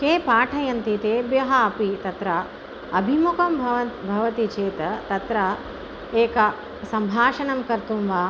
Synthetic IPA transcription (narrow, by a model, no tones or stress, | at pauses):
keːpaːʈʰɐjɐnt̪it̪eːbjɐɦɐːpit̪ɐt̪ɾɐ | ɐbʱimukɐmbʱɐʋɐt̪bʱɐʋɐt̪it͡ʃeːt̪ɐt̪ɐt̪ɾɐ | eːkɐ | sɐmbʱaːʃɐnɐmkɐɾt̪umʋaː